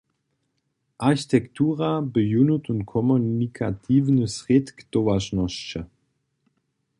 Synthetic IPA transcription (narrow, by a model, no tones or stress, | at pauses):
ʔaʁçi̥tʰɛktʰuːʁabəjunutuntkʰɔmunikʰa̰tʰiːvnəsʁetkd̥oaʃnɔʃt͡ʃə